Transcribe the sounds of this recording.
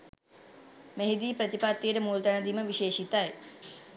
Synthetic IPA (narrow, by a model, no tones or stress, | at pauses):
meɦid̪iːpɾət̪ipat̪ːijɾəmuːlt̪ɐɳɐd̪iməʋiʃeːʃit̪aje